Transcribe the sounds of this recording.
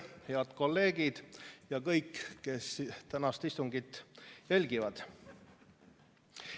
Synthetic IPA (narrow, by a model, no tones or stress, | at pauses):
heɑd̪̥ko̞lːe̞ːɡ̥id̪̥jɑkɤ̞jkːke̞st̪ænɑst̪ist̪uŋɡ̥it̪ːjælʲɡivɑd̪̥